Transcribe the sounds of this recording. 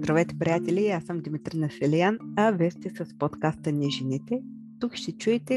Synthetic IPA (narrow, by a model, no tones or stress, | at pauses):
d̪ɾɐvɛt̪ɛ̥pɾijat̪ɛlʲiasəmd̪ʲimit̪ɾinəfɛlɛjanɐvɛst̪ɛsəspot̪kast̪ənʲɛʒinit̪ɛ | t̪ukʃt̪ɛt͡ʃuɛt̪ɛ